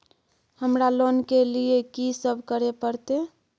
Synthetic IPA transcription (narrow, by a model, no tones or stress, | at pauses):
həmɾalonkeliekisəbʱkəɾepəɾt̪e